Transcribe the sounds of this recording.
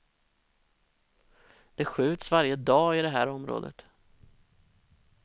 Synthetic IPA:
d̪̥ɛɧʉ̟ːt̪svaɾjəd̪ɑːɪd̪ɛɦæːɾɔmɾo̰ːd̪ə̰t̪

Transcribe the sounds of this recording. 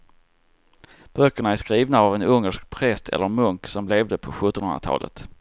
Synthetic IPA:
b̥œkːəɳaæʂkɾiːvnaːvɛnɵŋːəʂk̚pʰɾɛst̪ʰɛ̰lːəɾmɵŋksɔmleːvd̪əpʰɔɧɵt̪ːɔnhɵnɾat̪ʰɑ̰ːlʔə̰t̪

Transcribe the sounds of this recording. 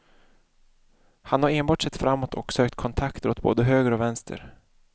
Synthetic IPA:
hanhaɾeːnbɑːʈʂɛt̪ːfɾamːot̪ʰɔksøːk̚t̪kʰɔnt̪ʰakt̪ʰəɾʊt̪̚bo̰ːd̪əɦøːɡəɾɔvɛnst̪ʰə̰ɾ

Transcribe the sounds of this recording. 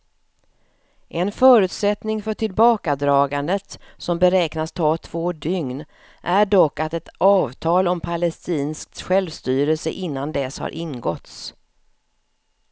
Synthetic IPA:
ʔɛnfœːɾʉ̟ːt̪sɛt̪nɪŋfœʈʰɪlbɑːkad̪ɾɑːɡand̪ət̪sɔmbɛɾɛːknast̪ʰɑːt̪ʰv̥oːɖʏŋn | ʔæɖɔkːat̪ɛt̪ɑːvt̪ʰɑːlɔmpʰalɛst̪iːnsk̚t̪ɧɛlvst̪yːɾəlsə̰ʔɪnːand̪ɛsha̰ɾʔɪnɡɔt̪s

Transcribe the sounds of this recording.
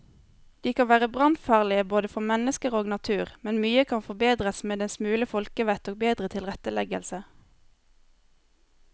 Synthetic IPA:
d̪̥iːkɑnʋæːʁəbʁɑnfɑːʁlɪəboːd̪əfɔmɛnəskəʁoːɡnɑt̪ʰʉːʁmɛnmyːəkʰɑnfɔbeːd̪ʁəsmeːd̪ɛnsmʉːləfɔlkəʋɛt̪oːɡ̚beːd̪ʁət̪ʰɪlʁɛt̪əlɛɡə̰lsə

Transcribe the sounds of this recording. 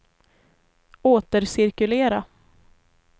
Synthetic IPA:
oːt̪əɾsɪɾkɵleːɾa

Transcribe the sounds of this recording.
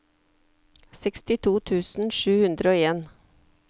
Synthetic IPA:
sɛkst̪ɪt̪ʰuːt̪ʰʉːsn̩ʃʉːhʉnd̪ɾəoːeːn

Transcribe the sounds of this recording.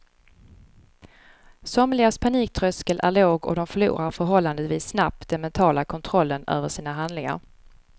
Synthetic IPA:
sɔmlɪɡaspʰaniːk̚t̪ʰɾœskəlʔæ̰ɭoːɡɔ̰d̪ɔmfœɭṵːɾaɾfœɾɦɔlːand̪əviːsːnap̚t̪d̪ɛnmɛnt̪ʰɑːlakʰɔnt̪ʰɾɔlːənø̰ːvəʂiːnaɦand̪lɪŋa̰ɾ

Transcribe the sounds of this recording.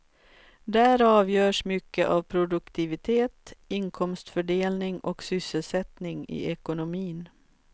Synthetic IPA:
d̪æːɾɑːvjœːʂmʏkːəʔavpʰɾʊd̪ɵkt̪ʰɪvɪt̪ʰeːt̪ɪŋkʰɔmst̪fœɖeːlnɪŋʔɔksʏsːəlsɛt̪nɪŋɪ̰ɛkʊnʊmiːn

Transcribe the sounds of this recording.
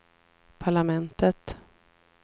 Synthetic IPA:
pʰaɭamɛnt̪ət̪

